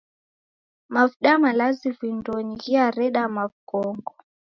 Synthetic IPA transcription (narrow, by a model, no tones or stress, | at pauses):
mavɗamalazivindɔɲiɣiaɾɛɗamavkɔŋɡɔ